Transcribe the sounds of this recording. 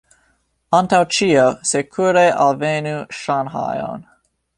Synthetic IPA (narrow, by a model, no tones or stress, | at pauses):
ɑntawt͡ʃiosekʰuɾeʔa̰lvenuʃanɦɑ̰jo̰n